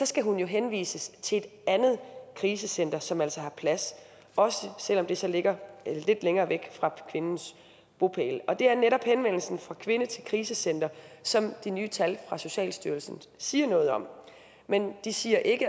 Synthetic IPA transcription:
sɒ̽sɡ̥æɦunjo̝ɦenʋḭːsəst͡sʰe̝e̝d̥ænð̩ˠkʰʁiːs̬əsen̰d̥ɐsɒ̽mæl̰sɒɦɑ̈pʰlæs | ɒ̽səsel̰ɒ̽md̥e̝sɒ̽le̝ɡ̥ɐle̝d̥leŋɐːʋeɡ̥fʁɑ̈kʰʋe̝nn̩s | b̥o̝pʰḛːlɒ̽d̥e̝æɐneɾɒ̽b̥henʋen̰l̩sn̩fʁɑ̈kʰʋe̝nət͡sʰe̝lkʰʁiːsəsen̰d̥ɐsɒ̽md̥inyːt͡sʰælfʁɑ̈so̝ɕɛ̰ːlsd̥yɐlsn̩ | siːɐnɔ̽ːð̞̩ˠɒ̽m̰ | mend̥isiːɐʔe̝ɡ̥ə

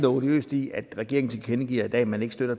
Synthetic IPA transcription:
nod̥iø̰ːsd̥iæd̥ʁɛɡ̥e̝ɐeŋn̩t͡sʰe̝lʰenəɡ̥ḭːɐid̥ɛ̰ːmæne̝ɡ̥sd̥øɾ̥ɐ

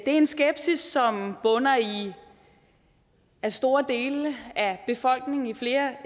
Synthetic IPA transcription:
d̥e̝ɐe̝nsɡ̥eb̥sisːɒ̽mb̥ɔ̽nɐi | æsd̥o̝ːɐd̥e̝̰ːləæb̥e̝fɒ̽l̰ɡ̥ne̝ŋ̩ifle̝ːɐ

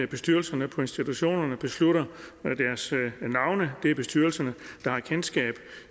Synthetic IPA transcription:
æb̥e̝sd̥yɐlsɐnəpʰɒ̽e̝nsd̥it͡sʰuɕo̝̰ːnɐnəb̥e̝sluɾ̥ɐd̥æɐsnɑ̈ʊnəd̥e̝æɐb̥e̝sd̥yːɐlsɐnəd̥ɑ̈hɑ̈kʰensɡ̥ɛ̰ːb̥

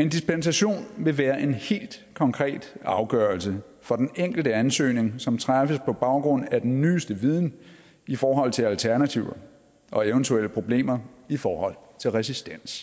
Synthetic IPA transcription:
e̝nd̥ispensæɕo̝̰ːnʋe̝ʋæːɐʔe̝nhe̝̰ːld̥ | kʰɒ̽ŋkʰʁɛ̰ːd̥ɑ̈ʊɡ̥ɶːɐlsə | fɒ̽d̥eneŋ̰ɡ̥l̩d̥əænsø̰ːne̝ŋsɒ̽mt͡sʰʁafəspʰɒ̽b̥ɑ̈ʊɡ̥ʁɔ̽n̰æd̥enːyːsd̥əʋið̞ˠn̩ | ifɒːɦɒ̽l̰t͡sʰe̝lælt͡sʰæɐnæt͡sʰiʊɐ | ʔɒ̽eʊnt͡sʰueləpʰʁo̝b̥le̝̰ːmɐifɒːhɒ̽l̰t͡sʰe̝lʁɛsisd̥en̰s

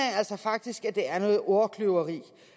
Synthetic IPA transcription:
ææl̰sɐfɑ̈ɡ̥̚d̥isɡ̥æd̥e̝æɐnɔ̽ːð̩ˠʔɔkʰløʊɐʁḭː

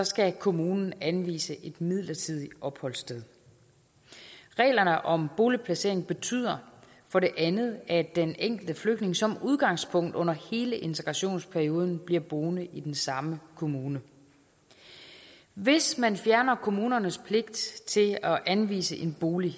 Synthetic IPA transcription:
sɒ̽sɡ̥ækʰo̝muːnn̩ænʋḭːsəʔe̝d̥mið̞̰ˠlɐt͡sʰið̞̰ˠiɒ̽b̥hɒ̽l̰sd̥eðˠ | ʁɛ̰ːlɐnəʔɒ̽mb̥o̝ːlipʰlæse̝ɐ̰e̝ŋb̥e̝t͡sʰy̰ð̞̰ˠɐ | fɒ̽ɾe̝ʔænð̞̩ˠæɐd̥eneŋ̰ɡ̥l̩d̥əfløɡ̥d̥ne̝ŋsɒ̽muð̞ˠɡ̥ɑ̈ŋ̰spʰɔ̽ŋ̰d̥ɔ̽n̰ɐhe̝ːləʔe̝nt͡sʰeɡ̥ʁɑ̈ɕo̝̰ːnspʰæɐio̝ːð̞ˠn̩b̥liɐ̰b̥oːnəʔid̥ensɑ̈məkʰo̝muːnə | ʋe̝smænfjæɐnɐkʰo̝muːnɐnəspʰle̝ɡ̥̚d̥t͡sʰe̝lɒʔænʋḭːsəʔe̝nb̥o̝ːli

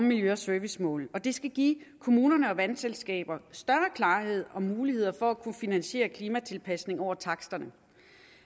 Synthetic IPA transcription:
mmiljøɒsøːʋismɔ̰̽ːlɒ̽d̥e̝sɡ̥æɡ̥ḭːkʰo̝muːnɐnəɒ̽ʋænselsɡ̥ɛ̰ːb̥ɐsd̥ɶɐkʰlɑ̈ːɦe̝ð̞̰ˠɒ̽muːlihe̝ð̰ˠɐfɒ̽ækʰunfinænɕe̝̰ːɐkʰliːmæt͡sʰe̝lpʰæsne̝ŋɒʊ̰ɐt͡sʰɑ̈ɡ̥sd̥ɐnə

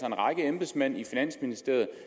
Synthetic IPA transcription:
ɐenʁɑ̈ɡ̥əemb̥esmæn̰ifinæn̰sminisd̥e̝ɐ̰ð̩ˠ

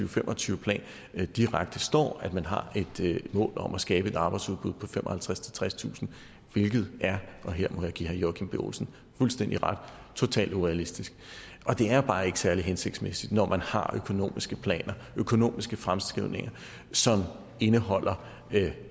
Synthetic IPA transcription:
yːʊfemʔɒ̽t͡sʰyːʊəpʰlɛ̰ːn | d̥iʁaɡ̥̚d̥əsd̥ɒ̰ːæd̥mænɦɑ̈e̝d̥mɔ̰̽ːlɒ̽mʔæsɡ̥ɛːb̥əe̝d̥ɑ̈ːb̥ɑ̈ɪd̥suðˠb̥uð̞̰ˠpʰɒ̽femʔɒ̽hælt͡sʰʁast͡sʰe̝lt͡sʰʁast͡sʰṵːsn̩ | ʋe̝lɡ̥ð̞̩ˠʔæɐʔɒ̽ɦeɐ̰mɒ̽jäɡ̥ḭːhæɐjɒkʰimb̥eo̰ːlsn̩ | fulsd̥en̰d̥iʁɑd̥ | t͡sʰo̝t͡sʰɛ̰ːld̥uʁɛælisd̥isɡ̥ | ʔɒ̽d̥e̝æɐb̥ɑ̈ːe̝ɡ̥ə̥sæɐliɦense̝ɡ̥d̥smesid̥nɒmænhɑ̈økʰo̝no̝̰ːmisɡ̥əpʰlɛ̰ːnʔɐ | økʰo̝no̝̰ːmisɡ̥əfʁamsɡ̥ʁiðˠne̝ŋɐ | sɒ̽m | e̝nəɦɒ̽l̰ɐ

